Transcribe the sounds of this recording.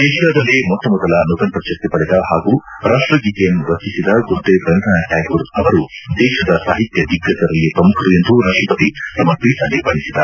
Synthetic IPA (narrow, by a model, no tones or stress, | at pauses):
d̪ɛːʃɐd̪aːd̪ɐnt̪emɔt̪ːɐmɔd̪ɐlɐnoːʈɐnpɐɾɐt͡ʃɐst̪ipɐɽɛd̪ɐhaːɡuːɾaːʂʈɾɐʋikenɖʋɐsisid̪ɐɡot̪ːepɾɐndɐnaʈaːjɡuɾɐʋɐɾud̪ɛːʃɐd̪ɐsaːɦit̪jɐd̪iɡɾɐsɐɾɐlːipɾɐmukʰɐɾue̞nd̪uɾaːʂʈɾɐpɐt̪isɐmɐt̪ɾisɐnipɐɳisid̪ɐ